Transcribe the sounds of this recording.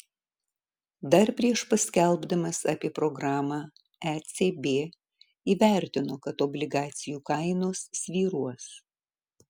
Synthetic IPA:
d̪ɐɾpʲɾʲiɛʃpɐsʲkʲɛlʲˠbd̪ɐmɐsɑ̰pʲiɛpɾɔɡɾɑːmɑː | æt̪sʲebʲeː | iːʋʲæˑɾʲt̪ʲɪnoːkɐt̪ɔbʲlʲɪɡɑːt̪sʲɪjuːkɐɪnoːsːʲʋʲiːɾuɔs

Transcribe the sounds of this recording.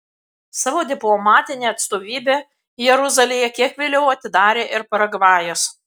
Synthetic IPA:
sɑːʋoːd̪ʲɪplˠɔmɑːt̪ʲɪnʲeːɐt̪st̪oːʋʲiːbʲeː | jɛɾʊzɐlʲejɛkʲiɛkʋʲelʲɛʊɐt̪ʲɪd̪ɑːɾʲeːʔɪɾpɐɾɐɡʋɑːjoːs

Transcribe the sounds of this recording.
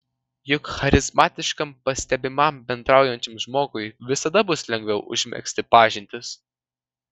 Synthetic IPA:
jʊkxɐɾʲɪzmɑːt̪ʲɪʃkɐmpɐsʲt̪ʲɛbʲɪmɐmbʲɛnd̪ɾɑˑʊjɛnʲt͡ʃʲɪmʒmoːɡʊɪʋʲɪsɐd̪ɐbʊslʲɛŋʲɡʲʋʲɛʊʔʊ̰ʒʲmʲɛ̰ksʲt̪ʲɪpɑːʒʲɪnʲt̪ʲɪs

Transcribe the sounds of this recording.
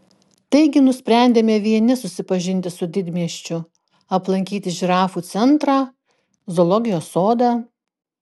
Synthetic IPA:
t̪ɐɪɡʲɪnʊsʲpʲɾʲæˑnʲd̪ʲeːmʲɛʋʲiɛnʲɪsʊsʲɪpɐʒʲɪnʲt̪ʲɪsʊd̪ʲɪd̪ʲmʲiɛʃʲt͡ʃʲʊ | ɐplˠɐŋʲkʲiːt̪ʲɪʒʲɪɾɑːfuːt̪sʲɛnt̪ɾɑː | zɔlˠɔɡʲɪjoːsoːd̪ɑː

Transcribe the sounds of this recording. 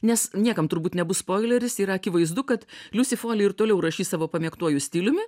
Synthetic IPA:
nʲɛsnʲiɛkɐmt̪ʊɾbuːt̪nʲɛbʊsspoːɪlʲɛɾʲɪsiɾɐɐkʲɪʋɐɪzd̪ʊkɐt̪lʲʊsʲɪfoːlʲɪɪɾt̪oːlʲɛʊɾɐʃʲiːsɑːʋoːpɐmʲiɛkt̪uɔjʊsʲt̪ʲiːlʲʊmʲɪ

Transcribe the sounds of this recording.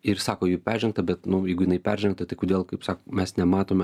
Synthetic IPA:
ɪɾsɑːkoːjiːpʲæɾʲʒʲɛŋk̚t̪ɐbʲɛt̪nʊjɛɪɡʊjɪnɐɪpʲæɾʲʒʲɛŋkt̪ɐt̪ɐɪkoːd̪ʲeːlˠkɐɪpsɑːkomʲɛsnʲɛmɑːt̪oːmʲɛ

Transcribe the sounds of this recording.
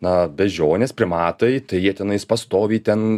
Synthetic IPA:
nɐbʲɛʒʲoːnʲeːspʲɾʲɪmɑːt̪ɐɪt̪ɐɪjiɛt̪ʲɛnɐɪspɐst̪oːʋʲiːt̪ʲɛn

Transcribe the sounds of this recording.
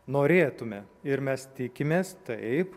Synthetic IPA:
noːɾʲeːt̪ʊmʲɛɪɾmʲɛst̪ʲɪkʲɪmʲeːst̪ɐɪɪp

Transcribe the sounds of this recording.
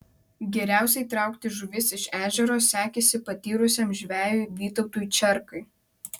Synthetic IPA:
ɡʲɛɾʲæˑʊsʲɛɪt̪ɾɑˑʊkt̪ʲɪʒʊʋʲɪsɪʃæːʒʲɛɾoːsʲæːkʲesʲɪpɐt̪ʲiːɾʊsʲɛmʒʲʋʲæːjʊːʋʲiːt̪ɒʊt̪uːjt͡ʃʲɛɾkɐɪ

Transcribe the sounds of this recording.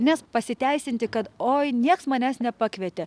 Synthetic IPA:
nʲɛspɐsʲɪt̪ʲɛɪsʲɪnʲt̪ʲɪkɐt̪oːjnʲiɛksmɐnʲæːsnʲɛpɑːkʋʲɛt̪ʲɛ

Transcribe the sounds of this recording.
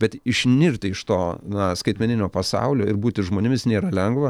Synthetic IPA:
bʲɛt̪ɪʃʲnʲɪrʲt̪ʲɪɪʃt̪oːnɐskɐɪt̪ʲmʲɛnʲɪnʲoːpɐsɑ̰ʊlʲoːɪɾbuːt̪ʲɪʒmoːnʲɪmʲɪsnʲeːɾɐlʲɛŋɡʋɐ

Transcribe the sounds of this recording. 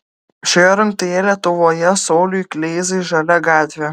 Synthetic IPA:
ʃʲojɛɾɐŋk̚t̪ojɛlʲiɛt̪ʊʋoːjɛsɔːlʲujklʲeːzɐɪʒɐlʲɛɡɑːt̪ʲʋʲɛ

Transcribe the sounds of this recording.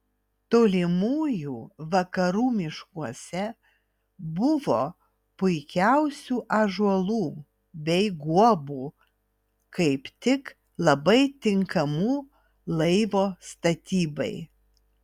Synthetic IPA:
t̪oːlʲɪmuːjuːʋɐkɐɾuːmʲɪʃkuɔsʲɛ | bʊʋoː | pʊɪkʲæʊsʲuːʔɐʒuɔlˠuː | bʲɛɪɡuɔbuː | kɐɪpt̪ʲɪk | lˠɐbɐɪt̪ʲɪŋkɐmuː | lˠɐɪʋoːst̪ɐt̪ʲiːbɐ̰ɪ

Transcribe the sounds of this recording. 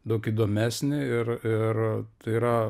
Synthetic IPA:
d̪ɐʊkiːd̪oːmʲæːsʲnʲɪɪrɪrt̪ɐɪiːɾɐ

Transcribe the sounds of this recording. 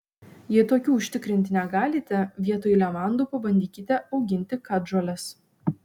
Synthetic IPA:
jiɛt̪oːkʲuːʊʃʲt̪ʲɪkɾʲɪnʲt̪ʲɪnʲɛɡɑːlʲit̪ʲɛʋʲiɛt̪oːjɪlʲɛmɑˑnd̪uːˑpɐbɐnʲd̪ʲiːkʲɪt̪ʲɛɒʊɡʲɪnʲt̪ʲɪkɐʒoːlʲɛs

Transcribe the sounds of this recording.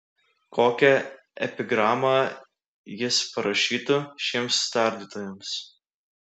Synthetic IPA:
koːkʲɛ | ɛ̰pʲɪɡɾɑːmɑː | jɪspɐɾɐʃʲiːt̪ʊʃʲiɛmst̪ɑˑɾʲd̪ʲit̪oːjɛms

